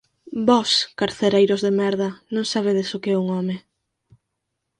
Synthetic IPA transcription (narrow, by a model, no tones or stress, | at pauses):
bɔskaɾθeɾejɾʊzðemɛɾðɐnõŋsaβ̞eðesʊkɪɛuŋɔmɪ